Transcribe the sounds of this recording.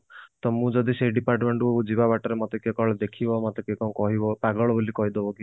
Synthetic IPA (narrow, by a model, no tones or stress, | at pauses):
t̪ɔmũd͡ʒɔd̪iseiɖipaɾʈmeɳʈuoud͡ʒibabaʈɔɾemɔt̪ekekɔɭed̪ekʰibɔmɔt̪ekekɔũkɔɦibɔpaɡɔɭɔbolikɔɦid̪ɔbɔki